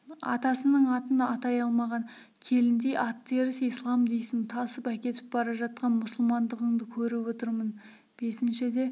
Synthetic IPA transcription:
ɑ̰t̪ɑsənəɴɑt̪ənɑt̪ɑjɑlˠmɑʁɑŋ | kʲʰe̞lɪnd̪e̞ʔɑt̪ʰːe̞ɾɪsijslˠɑmd̪ejsɪmt̪ʰɑsəpækʲe̞t̪ɪp̚bɑɾɑʒɑt̪̚qɑnmʊsʊlˠmɑnd̪əʁəɴd̪əkʲʰɵɾɪwo̞t̪əɾmən | b̥e̞sɪnʃɪd̪e̞

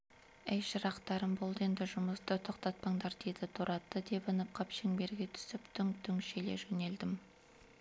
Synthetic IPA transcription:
æjʃəɾɑqt̪ɑɾəmbo̞lˠd̪əe̞nd̪ɪʒʊməst̪ət̪ʰo̞qt̪ɑt̪̚pɑɴd̪ɑɾd̪̥e̞d̪ɪt̪ʰuɾʔɑt̪ːəd̪e̞pənəp̚qʰɑpʃeŋbe̞ɾɡʲe̞t̪ʰʏ̥sɪpt̪ʰʏŋt̪ʰʏŋʃeleʒɵne̞ld̪ɪm

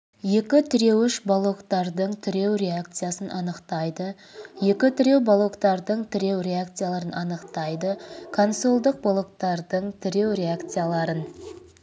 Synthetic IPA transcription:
je̞kʲɪt̪ʰʏɾe̞wɪʃbolˠo̞kt̪ɑɾd̪əɴt̪ʰʏɾe̞wɾʲe̞akt̪sɨjasənʔɑnəqt̪ɑjd̪ə | je̞kʲɪt̪ʰʏɾe̞wbolˠo̞kt̪ɑɾd̪əɴt̪ʰʏɾe̞wɾʲe̞akt̪sɨjalˠɑɾənʔɑnəqt̪ɑjd̪əkʰonso̞lˠd̪əq̚bolˠo̞k̚t̪ɑɾd̪əɴt̪ʰʏɾe̞wɾʲe̞akt̪sɨjalˠɑɾən

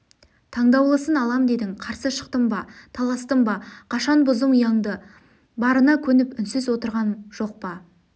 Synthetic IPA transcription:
t̪ʰɑɴd̪ɑwlˠəsənɑlˠɑmd̪e̞d̪ɪŋqʰɑɾsəʃə̥q̚t̪əmbɑt̪ʰɑlˠɑst̪əmbɑqʰɑʃɑnbʊzəmʊjɑɴd̪ə | bɑɾənɑkʲʰɵnɪpʏnsɪzwo̞t̪əɾʁɑnʒ̥o̞q̚pɑ

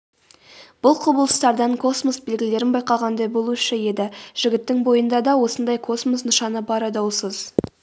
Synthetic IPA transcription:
b̥ʊlˠqʰʊbəlˠəst̪ɑɾd̪ɑŋkʰo̞smosbe̞lɡʲɪle̞ɾɪnbɑjqɑlˠʁɑnd̪ɑjbo̞lˠuʃəje̞d̪ɪʒ̥ɪɡʲɪt̪ːɪŋbo̞jənd̪ɑd̪ɑwo̞sənd̪ɑjkʰo̞smos̬nʊʃɑnəbɑɾɑd̪ɑwsəz̥

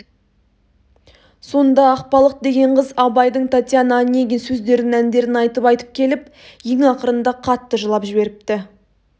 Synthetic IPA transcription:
so̞nd̪ɑːq̚pɑlˠəq̚d̪e̞ɡʲe̞ɴqʰəzɑbɑjd̪əɴt̪ʰɑt̪ʲjannːeɡʲensɵzd̪e̞ɾɪnænd̪e̞ɾɪnɑjt̪əpɑjt̪ə̥p̚kʲʰe̞lɪp̚ | jeŋɑqəɾənd̪ɑqʰɑt̪ːəʒəlˠɑpʒɪbe̞ɾɪp̚t̪ɪ

